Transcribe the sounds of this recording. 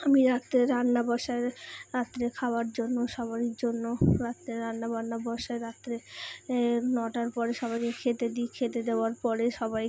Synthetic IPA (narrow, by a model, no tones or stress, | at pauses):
amiɾat̪ːɾeɾanːabaʃaeɾɾat̪ːɾekʰaoaɾd͡ʑonːoʃɔβaɾikd͡ʑonːoɾat̪ːɾeɾanːabanːabɔʃaeɾat̪ːɾe | nɔʈaɾpɔɾeʃɔβajkekʰet̪ed̪ikʰet̪ed̪eoaɾpɔɾeʃɔbaj